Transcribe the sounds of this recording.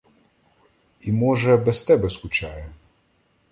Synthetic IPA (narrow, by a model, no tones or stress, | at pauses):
imɔʒɛbɛst̪ɛbɛskʊt͡ʃɑjɛ